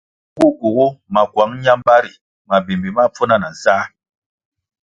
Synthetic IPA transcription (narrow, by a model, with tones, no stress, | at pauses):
ɡu˦ɡu˨ɡu˦ma˨kwa˨˦ŋ˦ɲa˦mba˦ɾi˨ | ma˨bi˨mbi˨ma˦p͡fo˦na˦˨na˨saː˦